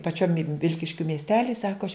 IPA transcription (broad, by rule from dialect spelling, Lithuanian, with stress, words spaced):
pɐˈt͡ʃʲoːm ˈʋʲɪlʲkʲɪʃʲkʲʊ mʲiɛsʲˈtʲæːlʲɪ ˈsɑːkoː ɐʃ